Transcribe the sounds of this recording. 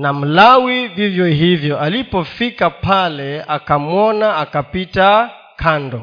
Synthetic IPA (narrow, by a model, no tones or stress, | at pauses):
nam̩lawivivjɔɦivjɔʔalipɔfikapalɛakamwɔnaakapita | kʰandɔ